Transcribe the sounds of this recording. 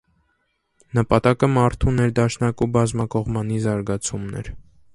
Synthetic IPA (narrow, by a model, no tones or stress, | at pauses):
nəpɑt̪ɑkəmɑɾt̪ʰunɛɾd̪ɑʃnɑkubɑzmɑkɔʁmɑnizɑɾɡɑt͡sʰumnɛ̰ɾ